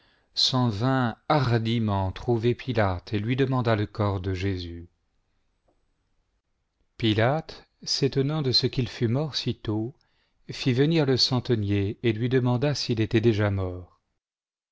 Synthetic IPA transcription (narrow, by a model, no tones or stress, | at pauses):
sɑ̃vɛ̃aʁd̪imɑ̃t̪χuvepilat̪ʰelɥid̪əmɑ̃d̪aləkɔʁd̪əʒezy | pilat̪ | set̪ɔnɑ̃d̪əsəkilfymɔʁsit̪o | fivəniʁləsɑ̃t̪ənjeelɥid̪əmɑ̃d̪asilet̪ɛd̪eʒamɔːʁ